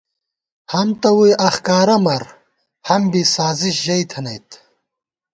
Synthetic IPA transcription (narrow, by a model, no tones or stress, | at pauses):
hɐmt̪ɐwujʔɐxkaːɾɐmɐɾ | hɐmbisaːziɕʑɐjt̪ʰɐnɐjt̪